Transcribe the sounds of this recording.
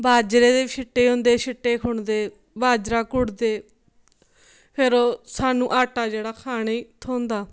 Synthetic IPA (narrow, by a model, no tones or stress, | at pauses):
bʱaːd͡ʒɾeːd̪eːʃʰɪʈːeːɦõːnd̪eːʃʰɪʈːeːkʰʊɳd̪eː | baːd͡ʒɾaːkʊɽd̪eː | pʰɪɾoːsaːnũːʔaːʈaːd͡ʒeːɽaːkʰaːɽ̃eiːt̪ʰoːnd̪aː